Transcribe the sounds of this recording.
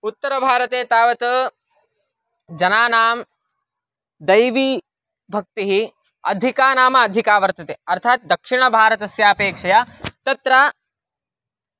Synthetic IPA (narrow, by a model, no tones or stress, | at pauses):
ut̪ːɐɾɐbʱaːɾɐt̪eːt̪aːʋɐt̪ɐ | d͡ʒɐnaːnaːm | d̪ɐjʋi | bʱɐk̚t̪iɦi | ɐ̰d̪ʱikaːnaːmɐːd̪ʱikaːʋɐɾt̪ɐt̪eːɐɾt̪ʰaːt̪̚d̪ɐkʂiɳ̃ɐbʱaːɾɐt̪ɐsjaːpeːkʂɐjat̪ɐt̪ɾa